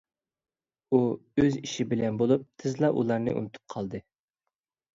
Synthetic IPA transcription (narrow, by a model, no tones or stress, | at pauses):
uøziʃɪbɪlɛnbolˠup̚t̪ʰɪzlˠɑʔulˠɑɾnɨ̰ʔṵnɨt̪ʰu̥p̚qʰɑlˠd̪ɨ